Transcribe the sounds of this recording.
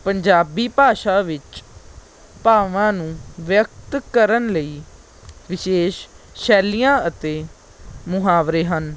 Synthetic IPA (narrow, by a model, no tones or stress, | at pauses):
pəɲd͡ʒaːbiːpaːʃaːʋɪt͡ʃ | paːʋãːnũːʋjək̚t̪kəɾənləiː | ʋɪʃeːʃʃɛːlijãːət̪eː | mʊɦaːʋɾeːɦən